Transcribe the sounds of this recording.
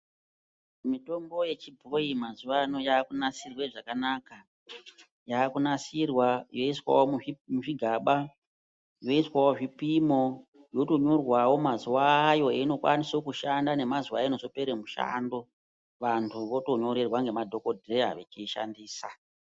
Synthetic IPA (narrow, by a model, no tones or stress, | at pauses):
mito̞mbo̞je̞t͡ʃibʱoimazuʋano̞jaːkunasirweʐakanaka | jaːkunasirwajo̞iswa̰womumuʐiɡʱaɓa | jo̞iswawoʐipimo̞ | jo̞to̞ɲo̞rwawo̞mazuwaːjo̞eino̞kwa̰niso̞kuʃandane̞mazuwaenoso̞peɾemuʃa̰ndo̞ | ʋantʰuʋo̞to̞ɲo̞ɾe̞rwaŋɡe̞madʱo̞kodʱrea̰ʋet͡ʃiʃa̰ndiːsa